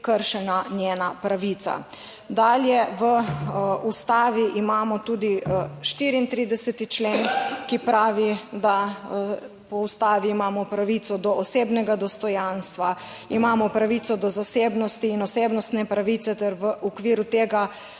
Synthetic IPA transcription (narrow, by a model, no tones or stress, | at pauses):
kəɾʃɛnanjeːnapɾaʋit̪sa̰ | d̪aːljɛʋə | ust̪aːʋiʔimaːmɔt̪uːd̪iʃt̪iːɾiint̪ɾiːd̪ɛsɛt̪it͡ʃleːnkipɾaːʋid̪a | pɔust̪aːʋiːmaːmɔpɾaʋiːt̪sɔd̪ɔɔseːbnɛɡad̪ɔst̪ɔjanst̪ʋa | imaːmɔpɾaʋiːt̪sɔd̪ɔzaseːbnɔst̪iːnɔseːbnɔst̪nɛpɾaʋiːt̪sɛt̪ɛɾʋəʔukʋiːɾut̪eːɡa